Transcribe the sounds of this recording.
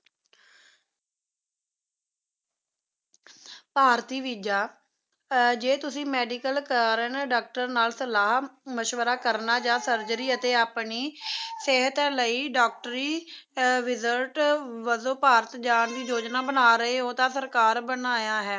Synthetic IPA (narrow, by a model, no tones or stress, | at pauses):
paːɾt̪iːʋiːd͡ʒaː | d͡ʒeːt̪ʊsĩːmɛːɖikəlkəːɾənɖaːk̚ʈəɾnaːlsəlaːɦməʃʋəɾaːkəɾnaːd͡ʒãːsəɾd͡ʒəɾiːət̪eːaːpɳiːseɦət̪ɛːləiːɖaːk̚ʈɾiː | ʋɪzəɾʈʋəzoːpaːɾət̪d͡ʒaːnd̪iːd͡ʒoːd͡ʒnaːbənaːɾəeːɦoːt̪ãːsəɾkaːɾbənaːjaːɦɛː